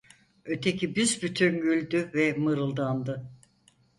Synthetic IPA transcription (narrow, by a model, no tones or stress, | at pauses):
øt̪ʰecʰibizbyt̪ʰynɟylʲd̪yvɛmɯɾɯlˠd̪and̪ɯ